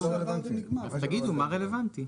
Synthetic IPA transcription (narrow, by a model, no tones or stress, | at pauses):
evaniat̪aɡid̪umaʁelevant̪i